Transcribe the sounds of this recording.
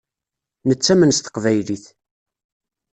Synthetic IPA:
nət͡sːæmənst̪ə̥qvæjliθ

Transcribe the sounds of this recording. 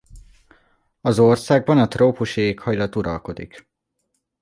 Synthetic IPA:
ɒzorsaːɡ̚bɒnɒt̪roːpuʃieːkhɒjlɒt̪uɾɒ̰lko̞d̪ḭk

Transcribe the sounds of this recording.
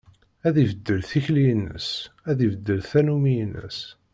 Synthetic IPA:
æðivəd̪ːəlθiçlijənːə̰sæðivəd̪ːəlθænumijənːə̰s

